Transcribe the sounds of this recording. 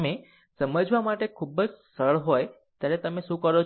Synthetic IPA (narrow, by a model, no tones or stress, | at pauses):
me | səməd͡ʒʋamaʈekʰubəd͡ʒsəɭɦoj | t̪jaɾet̪əmeʃũkəɾo